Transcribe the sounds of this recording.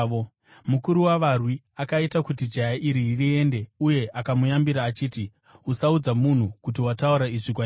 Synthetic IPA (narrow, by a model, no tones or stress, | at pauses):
mukuɾuwaʋarwi | akaitakutid͡ʒajaʔiɾiːrie̞nde̞uje̞ʔakamujambiɾaːt͡ʃiːti | usaud͡zamun̤ukutiwatauɾaiʐik̬wa